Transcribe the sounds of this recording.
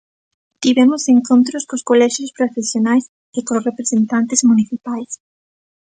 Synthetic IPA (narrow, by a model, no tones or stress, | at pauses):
t̪iβɛmʊseŋkont̪ɾʊskoskolɛʃjospɾofesjonajs | ekosrepɾesent̪ant̪ezmuniθipajs